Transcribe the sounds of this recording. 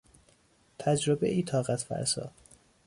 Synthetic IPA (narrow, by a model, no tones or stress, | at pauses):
t̪ʰæd͡ʒɾobḛʔiːt̪ʰɒːɣæt̪fæ̰ɾsɒ̰ː